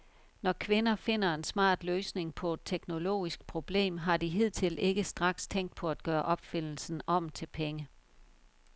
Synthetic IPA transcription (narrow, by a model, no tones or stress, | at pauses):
nɒkʰʋe̝nɐfe̝n̰ɐe̝nsmɑ̰̈ːd̥løːsne̝ŋpʰɒ̽e̝d̥̚t͡sʰeɡ̥no̝lo̝̰ːisɡ̥̚pʰʁo̝b̥le̝̰ːmɦɑ̈d̥iɦið̞̰ˠt͡sʰe̝lʔe̝ɡ̥əsd̥ʁɑ̈ɡ̥st͡sʰeŋ̰d̥̚pʰɒ̽æd̥̚ɡ̥ɶːɐʔɒ̽b̥fen̰l̩sn̩ɒ̽m̰t͡sʰe̝lpʰeŋə